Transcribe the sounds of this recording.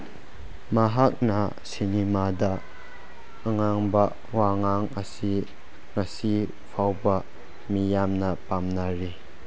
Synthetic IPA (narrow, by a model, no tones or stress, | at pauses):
maɦak̚na | sinimad̪ɐ | ŋaŋbɐ | waŋaŋɐsi | ŋasi | pʰawbɐ | mijamnɐpamnaɾi